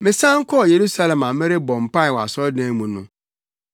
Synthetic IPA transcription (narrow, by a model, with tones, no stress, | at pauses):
mɪ̃˨sã˦ŋ̩˦kʰɔ˦˨je˨ɾu˦sa˦lɛ˨mã˨mɪ̃˦ɾɪ˦bɔ̃˨m̩˨pa˦ɪ˨wa̰˨sɔ˦dã˦mũ˨nʊ̰̃˦